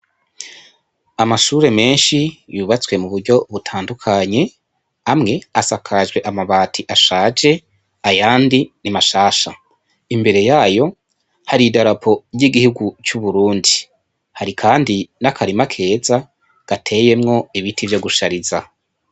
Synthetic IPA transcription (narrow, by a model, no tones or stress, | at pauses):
amaʃuːɾe̞me̞ːnʃijuːβat͡swe̞muβuɾɟo̞βutʰaːndukʰaɲe̞ | amŋe̞asakʰaʒɡweʔamaβaːtʰiʔaʃaːd͡ʒe̞ | ajaːndinimaʃaːʃa | imbe̞ɾe̞jaːjo̞ | haɾidaɾapʰo̞jiɡihuɡut͡ʃuβuɾuːndi | haɾikʰaːndinakʰaɾimakʰe̞ːza | ɡ̥atʰe̞je̞mŋo̞iβitivjo̞ɡuʃaɾiza